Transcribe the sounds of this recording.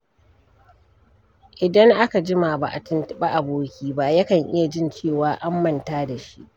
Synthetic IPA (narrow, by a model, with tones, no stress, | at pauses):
ʔɪ˨dɐ˦ŋʔa˦ka˨d͡ʒɪ˦ma˨ba˨ʔa˨tɪ˦ntɓa˦ʔa˨boː˦kʲiː˦ba˦jɐ˦kɐ˨ŋʔɪ̰˦ja˨d͡ʒɪ˦nt͡ʃeː˦˨waː˨˦ʔa˦mːɐ˦˨ntaː˦da˨ʃi˦ʔ